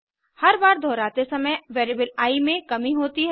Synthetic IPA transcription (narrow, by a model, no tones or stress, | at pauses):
hɐɾbaːɾd̪ʱɔːɾaːt̪esɐməjʋeːɾibəlaːimẽkɐmiɦoːt̪iɦɛ